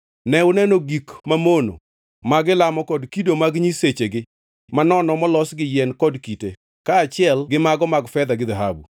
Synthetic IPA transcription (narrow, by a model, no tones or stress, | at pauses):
nɛʊnɛnoɡikmamono̰ | maɡɪlamɔkɔdkidomaɡɲiset͡ʃeɡɪ | manɔnɔmɔlɔsɡɪjɛnkɔdkite | kaːt͡ʃɪɛlɡɪmaɡɔmaɡfɛd̪aɡɪd̪aɦabṵ